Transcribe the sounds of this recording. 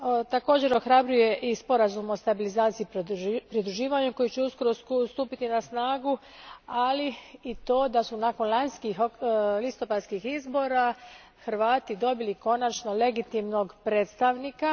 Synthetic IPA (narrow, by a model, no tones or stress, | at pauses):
t̪ako̞ːd͡ʑe̞ɾo̞xɾabɾuje̞ʔispo̞ɾazumo̞st̪abilizaːt̪sijippɾid̪ɾuʒiːʋaɲuko̞jit͡ɕeusko̞ɾo̞st̪uːpit̪inasnaːɡu | aliit̪o̞ːd̪asunaːko̞nlanskixlist̪o̞pad̪skixizbo̞ɾa | xɾʋaːt̪id̪o̞biliko̞nat͡ʃno̞le̞ɡit̪imno̞ɡpɾeːt̪st̪aʋnika